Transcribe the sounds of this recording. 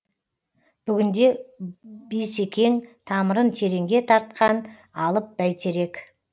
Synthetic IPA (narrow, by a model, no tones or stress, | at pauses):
b̥ʏɡʲɪnd̪e̞ | besekʲʰe̞ŋt̪ʰɑməɾənt̪ʰe̞ɾe̞ŋɡʲe̞t̪ʰɑɾt̪̚qɑn | ɑlˠəp̚b̥æjt̪ʰe̞ɾe̞k